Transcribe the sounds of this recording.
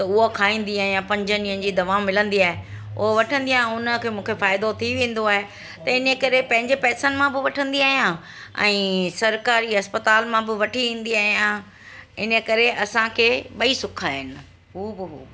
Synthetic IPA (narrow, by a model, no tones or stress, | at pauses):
t̪ɐʊɦokʰaːĩːn̆d̪iaːɦijãpɐ̃ɲd͡ʑənĩːə̃n̆d͡ʑiːd̪ɐʋaːmɪlə̃nd̪iaːɦe | ʊɦoʋɐʈʰə̃nd̪iaːɦeʊnəkʰeːmũːkʰefaːɪd̪ot̪ʰiʋẽːn̆d̪oaːɦe | t̪ɐɪnəkɐɾepɐ̃ɦɪ̃ɲd͡ʑepɛːsənɪ̆mãbɪʋɐʈʰə̃nd̪iaːɦijã | ɛ̰̃ːsɐɾkaːɾiɦɐspət̪aːlmãbɪʋɐʈʰiʋẽːn̆d̪iaːɦijã | ɪnə̆kɐɾeɐsãkʰeːɓɐisʊkʰaːɦɪnɪ̆ | ɦuːbɪɦuː